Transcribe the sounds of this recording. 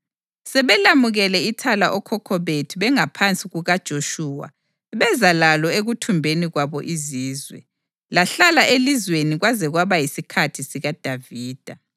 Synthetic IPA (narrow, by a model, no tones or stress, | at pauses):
sɛβɛlamuɣɛlɛitʰalaʔɔkʰɔkʰɔβetʰiβɛŋapʰant͡sʼiɣuɣad̥ʒ̥ʱoʃuːwa̰ | βɛzalalɔeɣutʰumbʱeniɣwaβɔʔiziːzwɛ̰ | laɬalaʔelizweniɣwazɛɣwaβajisikʰatʰisiɣad̥ʱaviːd̥ʱa